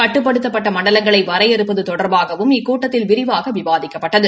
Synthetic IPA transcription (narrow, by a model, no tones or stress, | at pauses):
kɐʈːɯp̬ːɐɽɯt̪ːɐpːɐʈːɐmɐɳɖɐlɐŋɡɐɭɐɪʋɐɾɐjɛɾɯpːɐðɯt̪ɔɽɐɾbaːɣɐʋɯmɪkːuːʈːɐt̪ːɪlʋɪɾɪʋaːɣɐʋɪʋaːðɪkːɐpːɐʈːɐðɯ